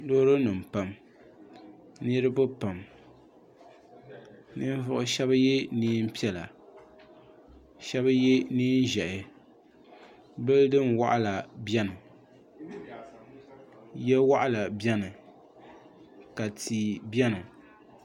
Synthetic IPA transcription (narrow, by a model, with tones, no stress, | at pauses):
lo˦ɾɨ˦nɨ˨m̩˨pa˨m | nɨ˦ɾɨ˦bɨ˦pa˨m | nɨ˦n˦vʊ˦ʔʊ˦ʃɛ˦ba˦je˦niː˦m̩˦pi˦ɛ˦la˨ | ʃɛ˦ba˦je˦niː˦n˦ʒɛ˨ʔɪ˨ | bɨ˦ldɨ˦nwa̰˦ʔa˦la˨bjɛ˦nɨ˨ | jɛ˦wa˦ʔa˦la˨bjɛ˦nɨ˨ | ka˨tʰi˨bɛ˦nɨ˨